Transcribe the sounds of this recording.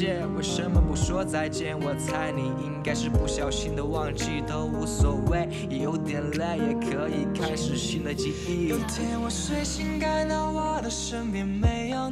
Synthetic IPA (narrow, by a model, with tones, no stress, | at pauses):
jɛ˥˩nwɔ˨˩ʂə˥nmə˨pu˥ʂwɔ˥t͡sa˥˧ɪt͡ɕjɛ˥˩nwɔ˨˩t͡sʰa˥ɪli˨˩i˥ŋka˥ɪʂɻ̩˥˧pu˥˩ɕjɑ˨˩ʊɕi˥nd̪ə˨wɑ˥˧ŋt͡ɕi˥˩t̪ə˥˧u˧˥˩sɔ˨˩we˥˩ɪ | jo˧˥ʊt̪jɛ˨˩nlɛ˥˩ɪjɛ˨˩kʰɤ˧˥i˨˩kʰa˥ɪʂɻ̩˨˩ɕi˥˩nd̪ə˨t͡ɕi˥i˥˩˧t͡ɕjɛ˥nwɔ˨˩swe˥˩ɪɕi˥nka˥ɪnɑ˥˧ʊwa˥˩d̪ə˨ʂə˥ŋmi˨˧˩nme˧˥ɪjo˥˧